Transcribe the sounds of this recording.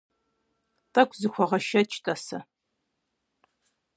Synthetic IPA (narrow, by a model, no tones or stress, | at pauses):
tʰʼɐkʷʰʼzɨxʷɔʁɐʃɐt͡ʃʰʼtʰʼɐsɐ